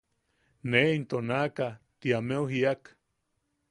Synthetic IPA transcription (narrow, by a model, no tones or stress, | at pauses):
neint̪onakat̪iamewɦiak